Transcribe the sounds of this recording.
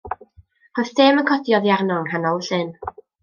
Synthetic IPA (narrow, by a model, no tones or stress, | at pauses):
rostʰeːmənkʰɔdjɔðjarnɔŋhanɔlˠɬɨn